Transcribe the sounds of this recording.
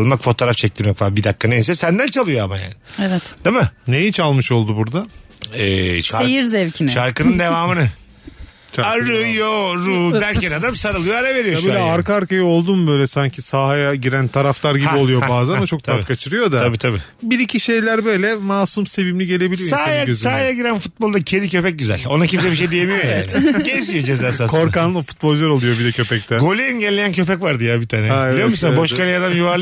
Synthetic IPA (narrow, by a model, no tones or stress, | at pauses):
lˠmakfo̞t̪ʰoɾaft͡ʃʰɛc̚t̪ʰiɾmɛcvabid̪akʰːanejis̬ɛsænd̪ænt͡ʃʰalˠɯjo̞amaja̰ːnɪevɛt̪d̪̥emɯnejit͡ʃʰalˠmɯʃo̞lˠd̪ubuɾd̪a | ɛːʃaejiɾzɛvcʰinʃaɾkɯnɯnd̪evaːmɯnɯ | ʃaaɾɯjoɾuːbælʲcɛnad̪amsaɾɯlˠɯjoaɾave̞ɾijobilʲɛaɾkaaɾkajao̞lˠd̪umbø̞jlʲɛsaɲcʰisaːɦajaɟiɾænt̪ʰaɾaflˠaɾɟiio̞lˠujo̞baːzænat͡ʃʰo̞k̚t̪ʰat̪kʰat͡ʃʰɯɾɯjo̞d̪aabiːt̪ʰabi | biɾicʰiʃe̞jlʲæɾbø̞jlʲɛmaːsumse̞vimlʲiɟe̞lʲe̞bilʲiosaajaøzsahajaɟiɾænfut̪̚bo̞lˠd̪acʰelʲicʰø̞pɛc̚ɟyzæ̰lʲo̞nacʰims̬ɛbiʃejd̪ijemijojaɟɛd̪ʲijod͡ʒezaːsakʰo̞ɾkanufu̥t̪̚bo̞lʲˠd͡ʒlaɾolˠujo̞bid̪ɛcʰø̞pɛct̪ʰæɡo̞lʲiɛinɟɛlʲːejæncʰø̞pɛcvaɾd̪ɯjabit̪ʰaːnɛalʲijomusanaboʃkalʲijad̪amjuvaɾlˠ